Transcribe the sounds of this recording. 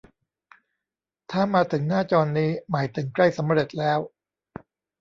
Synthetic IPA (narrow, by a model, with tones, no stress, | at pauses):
t̪ʰaː˥˩maː˧t̪ʰɯ˩˦ŋnaː˥˩t͡ɕɔː˧nːiː˦˥maː˩˦jt̪ʰɯ˩˦ŋkla˥˩jsa˩˦mɾe˨˩t̪̚lɛː˦˥w